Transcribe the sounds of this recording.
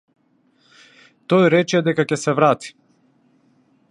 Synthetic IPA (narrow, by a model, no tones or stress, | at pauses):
t̪ojɾɛt͡ʃɛd̪ɛkakɛsɛvɾat̪i̥